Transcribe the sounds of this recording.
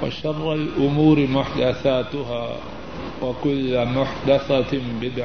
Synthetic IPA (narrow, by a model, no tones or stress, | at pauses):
wa̰ʃɑrˤːalʔʊmuːɾmʊħd̪aθaːt̪ʊɦaː | wakʊlːamʊħd̪aθabɪd̪ʕ